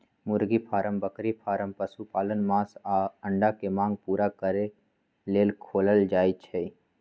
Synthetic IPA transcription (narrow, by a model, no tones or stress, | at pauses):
mʊɾɡipʰaːɾəmbəkɾipʰaːɾəmpəsupaːlənmãːsaːə̃ɳɖakemãːŋɡ̚puːɾakəɾe | leːlkʰoːləld͡ʒaːit͡ʃʰɛ